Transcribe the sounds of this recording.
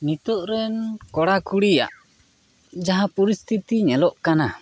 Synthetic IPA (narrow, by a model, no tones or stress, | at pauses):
nit̪ɔʔɾɛnkɔɽakuɽija̰ʔ | d͡ʒaɦapɔɾist̪ʰit̪iɲɛlɔʔkana